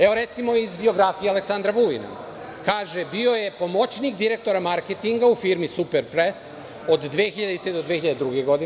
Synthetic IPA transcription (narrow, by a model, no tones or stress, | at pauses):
eʋo̞ɾe̞t̪simo̞izbio̞ɡɾafijealeksand̪ɾaʋulḭna̰ | kaːʒe̞bio̞je̞po̞mo̞t͡ɕnikd̪iɾe̞k̚t̪o̞ɾamaɾket̪iŋɡaufiɾmisupeɾpɾes | o̞d̪ːʋeːxiʎad̪eit̪ed̪od̪ʋexiʎad̪ed̪ɾuɡeɡo̞d̪i